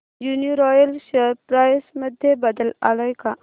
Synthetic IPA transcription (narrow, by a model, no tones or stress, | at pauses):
juniɾɔjəlʃəɾpɾaːjsməd̪ʱjebəd̪əla̰ːlɔjka